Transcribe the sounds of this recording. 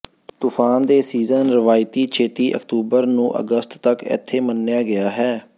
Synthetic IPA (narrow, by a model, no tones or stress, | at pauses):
t̪uːpʰaːnd̪eːsiːzənɾɪʋaːɪt̪iːt͡ʃʰeːt̪iːʔə̰kt̪uːbəɾnũːʔə̰ɡəst̪ːəkɪ̰t̪ʰːeːmənːɪjaːɡɪjaːɦɛː